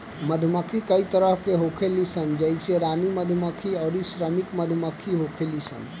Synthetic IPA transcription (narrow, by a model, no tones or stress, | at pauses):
məd̪ʱməkʰikəit̪əɾəɦkeɦokʰelisənd͡ʒəjseɾaniməd̪ʱməkʰiɔʊɾisɾəmikməd̪ʱməkʰiɦokʰelisə̰n